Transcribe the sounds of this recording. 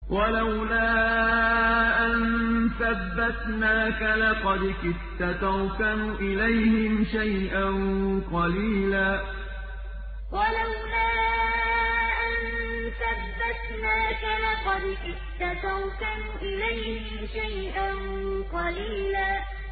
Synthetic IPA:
wʔalawlaː | ʔannθabːat̪naːkalɑqɑd̪kɪt̪ːat̪awkanuːʔɪlajhɪmʃajʔanqɑliːlaː | wʔalawlaː | ʔan | θabːat̪naːkalɑqɑd̪kɪ | t̪ːat̪awkanʊːʔɪlajhɪmʃaj | ʔan | qɑliːlaː

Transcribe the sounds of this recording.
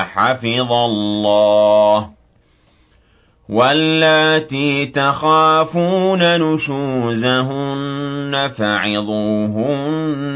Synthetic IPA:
ħafɪðˤɑlːɑːh | walːaːt̪iːt̪axaːfuːnanʊʃuːzaɦʊnːafaʕɪðˤuːɦʊnnː

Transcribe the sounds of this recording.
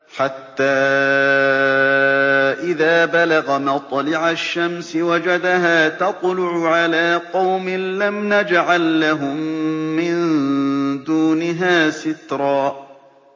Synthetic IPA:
ħat̪ːaː | ʔɪðaːbalaɣamɑt̪ˤlɪʕaʃːamsɪwad͡ʒad̪aɦaːt̪ɑt̪ˤlʊʕʊʕalaːqɑwmɪnlamnad͡ʒʕalːaɦʊmːɪn | d̪uːnɪɦaːsɪt̪ɾˤɑː

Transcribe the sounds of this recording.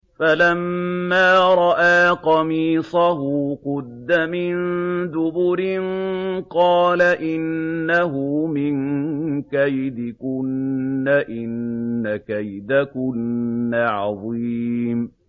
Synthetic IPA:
falamːaːɾˤɑʔaːqɑmiːsˤɑɦʊqʊd̪ːamɪnd̪ʊbʊɾɪnqɑːlaʔɪnːaɦʊmɪnkajd̪ɪkʊnːaʔɪnːakajd̪akʊnːaːʕɑðˤiːm

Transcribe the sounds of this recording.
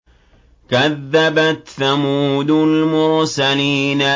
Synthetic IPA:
kaðːabat̪θamuːd̪ʊlmʊɾsaliːna

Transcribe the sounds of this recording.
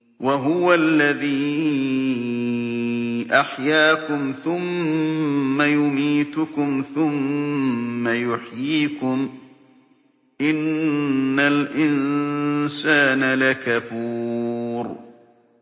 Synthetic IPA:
waɦʊwalːaðiː | ʔaħjaːkʊmθʊmː | ajʊmiːt̪ʊkʊmθʊmː | ajʊħjiːkʊm | ʔɪnː | alʔɪn | saːnalakafuːɾ

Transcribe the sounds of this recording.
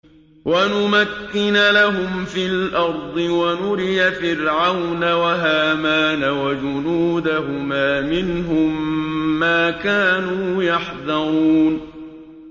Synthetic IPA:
wanʊmakːɪnalaɦʊmfɪːlʔɑɾˤd̪ˤɨwanʊɾɪjafɪɾʕawnawaɦaːmaːnawad͡ʒʊnuːd̪aɦʊmaːmɪnɦʊmːaːkaːnuːjaħðɑɾuːn

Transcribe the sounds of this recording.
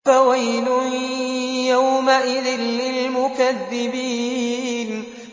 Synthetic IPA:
awajlʊ | jawmaʔɪðɪnːɪlmʊkaðːɪbiːn

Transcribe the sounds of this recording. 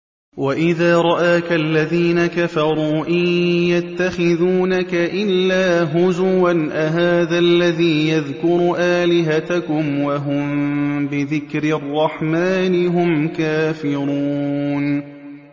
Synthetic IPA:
waʔɪðaːɾˤɑʔaːkaʔlːaðiːnakafɑɾˤuːʔɪjjat̪ːaxɪðuːnakaʔɪlːaːɦʊzʊwanʔaɦaːðalːaðiːjaðkʊɾuːʔaːlɪɦat̪akʊmwaɦʊmbɪðɪkɾɪɑrˤːɑħmaːnɪɦʊmkaːfɪɾuːn

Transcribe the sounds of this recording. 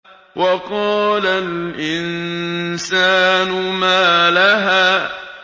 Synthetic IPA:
wʔɑqɑːlalʔɪnsaːnʊmaːlaɦaː

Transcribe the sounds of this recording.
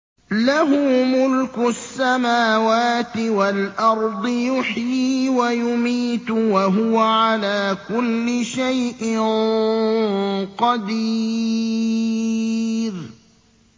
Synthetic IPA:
laɦʊmʊlkʊsːamaːwaːt̪ɪwalʔɑɾˤd̪ˤɨjʊħjiːwajʊmiːt̪ʊwaɦʊwaʕalaːkʊlːɪʃajʔɪ | qɑd̪iː | ɾ

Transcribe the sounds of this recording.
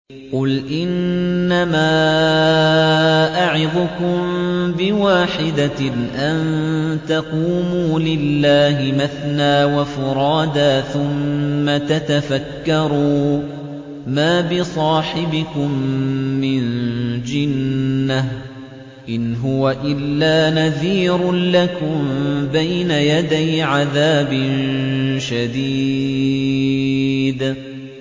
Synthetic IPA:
qʊlʔɪnːamaː | ʔaʕɪðʊkʊmbɪwaːħɪd̪aʔant̪aquːmuːlɪlːaːɦɪmaθnaːwafʊɾˤɑːd̪aːθʊmːat̪at̪afakːɑɾˤuː | maːbɪsˤɑːħɪbɪkʊmː | ɪnd͡ʒɪnːah | ʔɪnɦʊwaʔɪlːaːnaðiːɾʊlakʊmbajnajad̪ajʕaðaːbɪnʃad̪iː | d̪

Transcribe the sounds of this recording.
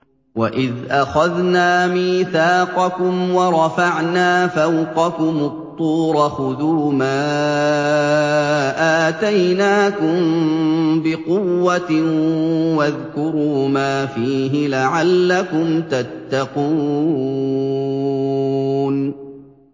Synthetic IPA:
waʔɪðʔaxaðnaːmiːθɑːqɑkʊmwɑɾˤɑfaʕnaːfawqɑkʊmʊtt̪ˤːuːɾˤɑxʊðuːmaː | ʔaːt̪ajnaːkʊm | bɪqʊwːat̪ | waðkʊɾuːmaːfiːɦɪlaʕalːakʊmt̪at̪ːɑquː | n

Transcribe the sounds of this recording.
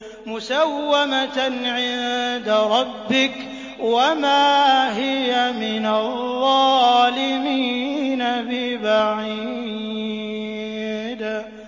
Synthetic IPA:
mʊsawːamaʕɪnd̪aɾˤɑbːɪk | wamaːɦɪjamɪnaððˤːɑlɪmiːnabɪbaʕi | d̪

